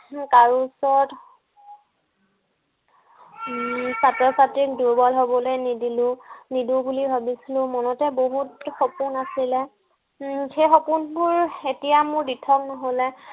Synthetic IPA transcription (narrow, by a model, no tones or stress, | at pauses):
kaɹusɔɹt | satɹɔsatɹik̚duɹbɔlɦobɔlojnidilʊ̃nidubulibʱabisilʊ̃mɔnɔtɛboɦutxopunasilɛ | xejxɔpunbʊɹetijamʊɹditʰɔk̚nɔɦolɛ